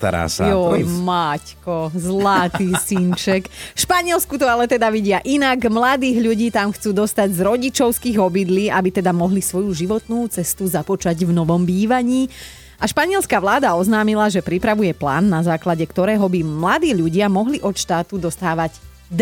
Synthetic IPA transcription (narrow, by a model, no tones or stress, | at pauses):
t̪a̰ɾa̰ːsɔmackɔzlat̪iːsint͡ʃɛkfʃpaɲɪɛlskut̪ɔalɛt̪ɛd̪aʋiɟɪaʔinaɡmlad̪iːɣʎuɟiːt̪amxt͡suːd̪ɔst̪aɟzɾɔɟit͡ʃɔʊskiːɣɔbid̪liːʔabit̪ɛd̪amɔɦlisʋɔjuʒiʋɔt̪nuːt͡sɛst̪uzapɔt͡ʃaɟvnɔʋɔmbiːʋaɲiː | aʃpaɲɪɛlskaʋlaːd̪aɔznaːmilaʒɛpɾipɾaʋujɛpla̰ːnːazaːklaɟɛkt̪ɔɾɛːɦɔbimlad̪iːʎuɟɪamɔɦliʔɔt̪ʃt̪aːt̪ud̪ɔst̪aːʋaɟ | d̪